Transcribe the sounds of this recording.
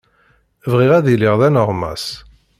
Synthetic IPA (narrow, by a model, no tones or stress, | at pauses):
vʁiʁæðiliʁðænəʁmæ̰s